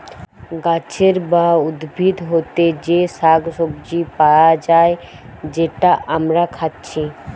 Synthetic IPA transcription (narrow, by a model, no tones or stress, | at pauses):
ɡaːt͡ʃʰeɾbaːʊd̪bʱid̪ɦoːt̪ed͡ʒeːsaːɡsʊbd͡ʒipaːjad͡ʒaːe | d͡ʒeːʈaʔəmɾakʰat̪t͡ʃʰiː